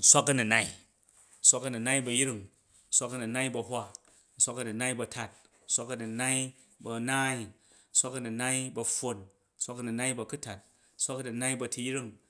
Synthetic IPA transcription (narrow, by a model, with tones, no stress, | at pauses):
n̩˦sʷa˦kɐ˦nu˨na˦i˦ | n̩˦sʷa˦kɐ˧nu˨na˦i˦bɐ˧jɾi˦ŋ | n̩˦sʷa˦kɐ˧nu˨na˦i˦bɐ˧hʷa˦ | n̩˦˨sʷa˦kɐ˧nu˨na˦i˦bɐ˧tʰa˦t̚ | n̩˦sʷa˦kɐ˧nu˨na˦i˦ | bɐ˧naː˦i˦ | n̩˦sʷa˦kɐ˧nu˨na˦i˦bɐ˧ɸo˧n | n̩˦sʷa˦kɐ˧nu˨na˦i˦bɐ˨˧ku˦ta˨t̚ | n̩˦sʷa˦kɐ˧nu˨na˦i˦bɐ˧ti˧jɾi˦˨ŋ